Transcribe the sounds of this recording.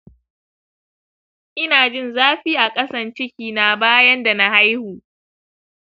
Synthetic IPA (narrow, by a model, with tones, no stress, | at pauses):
ʔɪ˦naː˨d͡ʒɪ˦nzaː˦ɸiː˦ʔa˨kʼɐ˦sɐ˨nt͡ʃɪ˦kʲiː˨na˦baː˦jɐ˦nda˨na˦ha˦jhuː˨